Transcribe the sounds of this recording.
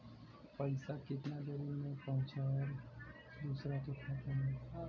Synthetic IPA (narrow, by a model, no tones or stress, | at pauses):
pəɪsakɪt̪nad̪eɾinẽpəɦʊ̃t͡ʃaɔɾ | d̪usɾat̪ot̪ʰat̪əne